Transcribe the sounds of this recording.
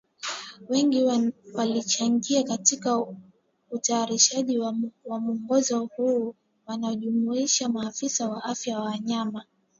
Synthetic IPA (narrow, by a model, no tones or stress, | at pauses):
wɛŋɡiwalit͡ʃaŋɡiakatika | utaːɾiʃaʄiwamuɔŋɡɔzɔhuː | wanaɔʄumuiʃamaːfisawaʔafjawawaɲama